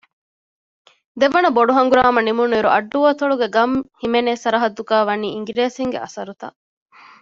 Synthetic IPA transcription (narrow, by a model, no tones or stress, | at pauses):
d̪eʋɐnɐboɖuɦɐŋɡuɾaːmɐnimunuiɾuʔɐɖːuʋɐt̪oɭuɡeɡɐmhimeneːsɐɾɐɦɐd̪ːukaːʋɐniːiŋɡiɾeːsiŋɡḛʔɐ̰sɐɾut̪ɐ̰